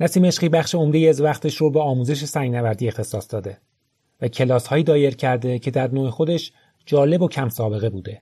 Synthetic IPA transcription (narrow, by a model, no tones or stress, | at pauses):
næsiːmeʃχiːbæχʃeo̞md̪ejezvæxt̪ʰe̞ʃɾobeɒːmuːze̞ʃ̬e̞sæŋɡnævæɾd̪iːext̪ʰe̞sɒːsd̪̥ɒːd̪e̞ | væcʰe̞lɒːshɒːjiːd̪ɒːje̞ɾcʰæɾd̪e̞cʰe̞d̪æɾnoːexod̪e̞ʃ | d͡ʒɒːle̞bo̞cʰæmsɒːbe̞ɣe̞buːd̪e̞